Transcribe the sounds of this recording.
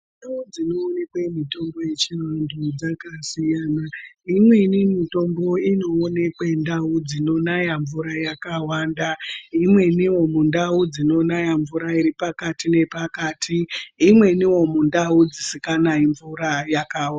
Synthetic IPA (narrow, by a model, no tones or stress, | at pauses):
ndaud͡zino̞ːne̞kwemito̞mbo̞je̞t͡ʃirandud͡zakasijanaimwe̞inimito̞mbo̞ino̞ːne̞kwe̞ndaud͡zino̞najaɱvuɾajakawaːndaimwe̞niwo̞mundaud͡zino̞najaɱvuɾaiɾipakatine̞pakaːtʰiːmwe̞niwo̞mundaud͡zisikanaiɱvuɾajakaw